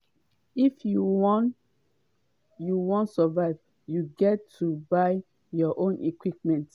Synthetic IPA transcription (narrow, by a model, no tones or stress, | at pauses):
ifjuwn | juwɔ̃ntsəvaɪv | juɡɛtʰːubaɪ | jɔʔõnʔekwip̚mɛ̃nt